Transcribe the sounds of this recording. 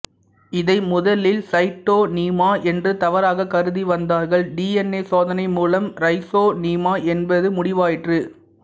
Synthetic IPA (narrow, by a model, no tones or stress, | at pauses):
ɪðɐɪmʊðɐlɪlsɐɪʈːoːniːmaːʔɛndrɯt̪ɐʋɐɾaːɣɐkɐɾɯðiʋɐnd̪aːɾɣɐɭɖiːɛnːeːsoːðɐnɐɪmuːlɐmɾɐɪsoːniːmaːʔɛnbɐðɯmʊɽɪʋaːjɪʈrɯ